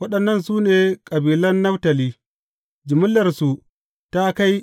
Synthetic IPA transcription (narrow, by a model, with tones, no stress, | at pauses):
wɐ˦ɗɐ˨nːɐ˦nsuː˦neː˨kʼɐ˨biː˨lɐ˦nːɐ˦wtɐ˨liː˦ | d͡ʒɪ˨mʊ˦lːɐ˨rsu˨ | ta˦ka˦j